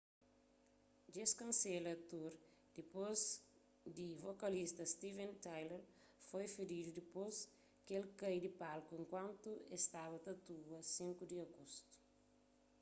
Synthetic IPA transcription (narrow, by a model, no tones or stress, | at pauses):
d͡ʒeskɐ̃nselɐt̪uɾ | d̪̥ipoz | d̪ivokɐlist̪ɐst̪ivẽnt̪ajleɾ | fojfeɾid̪ud̪ipos | kelkejd̪ipalkuẽŋkwãnt̪uest̪aβɐt̪ɐt̪uɐsĩŋkud̪iɐɡost̪u̥